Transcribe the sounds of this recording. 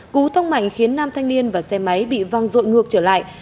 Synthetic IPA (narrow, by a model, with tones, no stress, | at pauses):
ku˨˦t̪ʰə˧wŋ͡mma̰˧˨jŋ̟xi˨˦ənːaː˧mt̪ʰa˧jŋni˧ənvaː˨˩sɛ˧ma˨˦jɓḭ˧˨va˧˩ŋzo̰˧˨jŋɨ˨˩ək̚t͡ɕəː˧˩la̰ː˧˨j